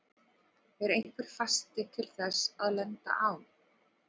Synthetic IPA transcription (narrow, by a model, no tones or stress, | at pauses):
ɛɾejn̥kvɪɾ̥fast̪ɪt̪ʰɪlθɛsaðlɛnt̪a̰ʔaːw